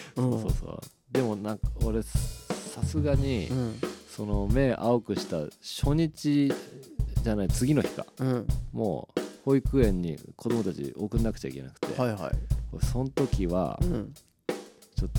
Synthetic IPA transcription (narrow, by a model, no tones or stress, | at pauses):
oso̞̰ːso̰ː | d̪e̞mo̞nãoɾe̞sasɨɡaɲ̟i | so̞no̞me̞ʔaokɯ̟ɕi̥t̪aɕo̞ɲ̟it͡ɕi | ʑanait͡sɨɡʲino̞çi̥kã̰mo̰ːho̞ikɯ̟ẽ̞ɲ̟ːḭkʰo̞d̪o̞mo̞t̪at͡ɕḭʔokɯ̟nːakɯ̟t͡ɕaḭkʲe̞̰nakɯ̟̥t̪e̞̰ha̰koɾsõ̞nt̪o̞kʲiβa̰ | t͡ɕo̞t̪ː